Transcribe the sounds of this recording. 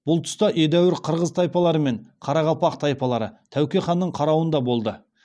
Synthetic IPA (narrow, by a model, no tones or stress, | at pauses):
b̥ʊlˠt̪ʰʊ̥st̪ɑʔed̪æwɪɾqʰəɾʁəzt̪ʰɑjpɑlˠɑɾəme̞ɴqʰɑɾɑʁɑpɑqt̪ʰɑjpɑlˠɑɾət̪ʰæwkʲeχɑnːəɴqʰɑɾɑwənd̪ɑbo̞lˠd̪ə